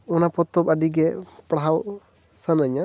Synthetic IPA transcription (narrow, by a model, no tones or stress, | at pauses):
ɔnapɔt̪ːɔbaɖiɡɛpɽaɦaw | sanaɲa